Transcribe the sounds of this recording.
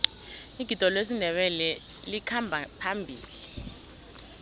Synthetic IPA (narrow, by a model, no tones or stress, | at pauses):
iɡ̥ʱid̥ʱɔlwes̬indʱɛɓɛlɛ | likʰambʱapʰambʱḭːli